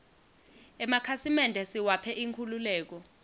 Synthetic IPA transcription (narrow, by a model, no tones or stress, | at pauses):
ɛmakʰasimɛndʱɛsiwapʰɛʔiŋkʰululɛːk̬ɔ